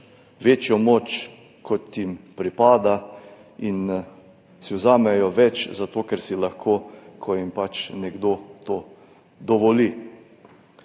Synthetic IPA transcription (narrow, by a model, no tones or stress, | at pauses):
ʋeːt͡ʃjɔmoːt͡ʃ | kʰɔt̪jimpɾipaːd̪a | in | siwzaːmɛjɔʋɛt͡ʃzat̪oːkɛɾsilaxkʰoːkʰɔjimpat͡ʃnɛɡd̪oːt̪oː | d̪ɔʋɔli